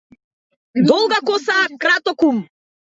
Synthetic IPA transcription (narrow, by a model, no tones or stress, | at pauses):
d̪ɔlˠɡakɔsakɾat̪ɔkum